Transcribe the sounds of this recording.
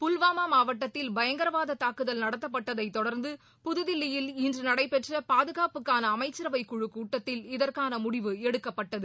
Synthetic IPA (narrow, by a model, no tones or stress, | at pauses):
pʊlʋaːmaːmaːʋɐʈːɐt̪ːɪlbɐjɐŋɡɐɾɐʋaːðɐt̪aːkɯðɐlnɐɽɐt̪ːɐp̬ːɐʈːɐðɐɪt̪ːɔɽɐɾnd̪ɯ | pʊðɯðɪlːɪjɪlɪndrɯnɐɽɐɪpɛʈrɐpaːðɯɣaːpɯkːaːnɐːmɐɪt͡ʃːɪɾɐʋɐɪkːʊɻɯkːuːʈːɐt̪ːɪlɪðɐrkaːnɐmʊɽɪʋɯɛɽɯkːɐpːɐʈːɐðɯ